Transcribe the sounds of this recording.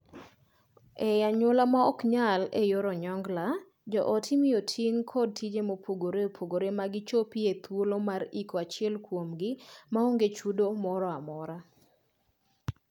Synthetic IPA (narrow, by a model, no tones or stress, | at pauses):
ɛjaɲolamaɔkɲalejoɾɔɲɔŋɡla | d͡ʒɔʔɔtʰimijotʰiŋkʰɔd̚tid͡ʒemopʰoɡoɾeopʰoɡoɾemaɡɪt͡ʃopiet̪wolomaɾikɔat͡ʃɪɛlkwomɡɪmaoŋɡet͡ʃudomɔɾɔamɔɾa